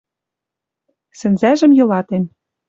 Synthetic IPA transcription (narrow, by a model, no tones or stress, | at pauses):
sɘ̆nzæʒɘ̆mjɤ̆lɑt̪en